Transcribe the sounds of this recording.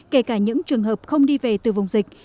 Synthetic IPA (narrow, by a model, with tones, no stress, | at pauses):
ke˧˩kaː˧˩ɲɨ̰˧˥ŋt͡ɕɨ˨˩əŋɦəː˨˩p̚xə˧wŋ͡mɗi˧ve˨˩t̪ɨ˨˩va˨˩wŋ͡mzï˨˩k̟̚